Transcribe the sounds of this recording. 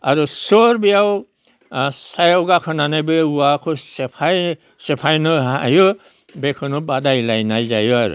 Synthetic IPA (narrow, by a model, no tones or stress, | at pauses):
aɹusɔɹbijaw | sajɔɡakʰɔnanajbeuakʰɔsɛpʰaj | sɛpʰajnɔɦajɔ | bɛkʰɔnɔbadajlajnajzajɔaɾṵ